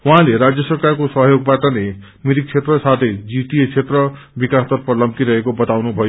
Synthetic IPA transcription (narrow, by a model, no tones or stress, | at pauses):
wuɦãleɾad͡zjʌsʌrkarkosʌɦjoɡ̚baʈʌne | miɾik̚t͡sʰet̪rʌsat̪ʰejd͡ziʈiet͡sʰet̪rʌ | bikast̪ʌrpʌlʌmkiɾʌɦekobʌt̪awnubʱʌjo